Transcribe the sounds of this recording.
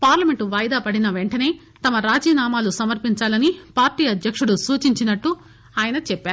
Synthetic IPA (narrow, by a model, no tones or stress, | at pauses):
paːɾlɐme̞ɳʈuʋaːjd̪aːpɐɽinɐʋeɳʈɐne̞ː | t̪ɐmɐɾaːd͡ʒiːnaːmaːlusɐmɐɾpiɲt͡ʃaːlɐnipaːɾʈiːɐd̪ʱjɐkʂuɽusuːt͡ʃiɲt͡ʃinɐʈːu | aːjɐnɐt͡ʃɛpːaːɾu